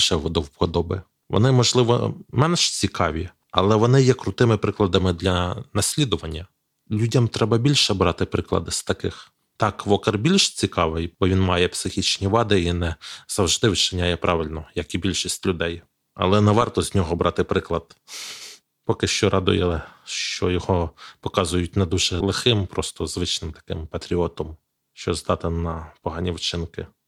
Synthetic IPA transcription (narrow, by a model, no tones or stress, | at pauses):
ʃɛʋɔd̪ɔwpɔd̪ɔbɪ | ʋɔ̰nɪmɔʒlˠɪʋɔ̰mɛnʃt͡sʲikɑʋʲi | ɐ̰lˠɛʋɔnɪjɛkɾʊt̪ɪmɪpɾɪklˠɐd̪ɐmɪd̪lʲɐnɐsʲlʲid̪ʊʋɐnʲːɐ | lʲudʲɐmt̪ɾɛbɐbʲilʲʃɛbɾɑt̪ɪpɾɪklˠɐ̰d̪ɪst̪ɐkɪx | t̪ɑkʋɔkɪrbʲilʲʃt͡sʲikɑʋɪjbɔʋʲinmɑjɛpsɪxʲit͡ʃnʲiʋɑd̪ɪinɛz̥ɐwʒd̪ɪwt͡ʃɪnʲajɛpɾʔɑʋɪlʲnɔjɐkibʲilʲʃisʲtʲlʲʊd̪ɛj | ɐ̰lˠɛnɛʋɑrt̪ɔzʲnʲɔɦɔbɾʔɑt̪ɪpɾɪklˠɐd̪ | pɔkɪʃt͡ʃɔɾʔɑd̪ʊ̰jɛlˠɛʃt͡ʃɔjɔhɔpɔkɑzʊjʊtʲnɛd̪uʒɛlˠɪxɪmpɾɔst̪ɔzʋɪt͡ʃnɪmt̪ɐ̥kɪmpɐt̪ɾʲiɔt̪ɔm | ʃt͡ʃɔzd̪ɑt̪ɪnɐpɔɦɑnʲiwt͡ʃɪnkɪ